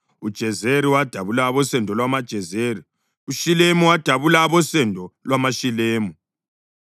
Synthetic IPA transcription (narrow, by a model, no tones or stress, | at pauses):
ud̥ʒ̥ʱɛzeɾiwad̥ʱaβulaβɔsɛndʱɔlwamad̥ʒ̥ʱɛzeri | uʃilemuwad̥ʱaβulaβɔsɛndʱɔlwamaʃileːmu